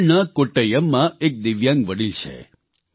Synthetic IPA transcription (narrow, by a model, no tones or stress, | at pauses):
nakoʈəjəmːãek̚d̪iʋjãŋɡʋəɽilt͡ʃʰḛ